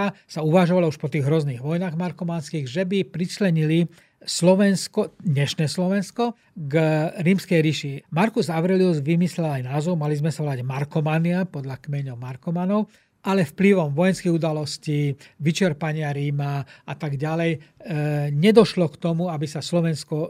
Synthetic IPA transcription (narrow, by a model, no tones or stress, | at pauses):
asauʋaʒɔʋalauʃpɔt̪iːɣɦɾɔzniːɣʋɔjnaːɣmaɾkɔmanskiːɣʒɛbipɾit͡ʃlɛɲili | slɔʋɛnskɔd̪ɲɛʃnɛːslɔʋɛnskɔ | ɡɾiːmskɛjɾiʃimaɾkuzaʋɾɛliɔzʋimislɛlajnaːzɔʊmalizmɛsaɦɔlaɟmaɾkɔmanɪapɔd̪ʎakmɛɲɔʊmaɾkɔmanɔʊ | ʔalɛfpliʋɔmʋɔjɛnskiɣud̪alɔsciʋit͡ʃɛɾpaɲɪaɾiːmaʔat̪aɡɟalɛj | ɲɛd̪ɔʃlɔkt̪ɔmuabisaslɔʋɛnskɔ